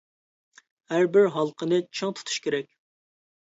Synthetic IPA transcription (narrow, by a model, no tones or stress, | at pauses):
hæɾbɪɾɦɑlˠqʰənɨt͡ʃʰɨŋt̪ʰu̥t̪ʰu̥ʃkʲʰeɾɛkʲ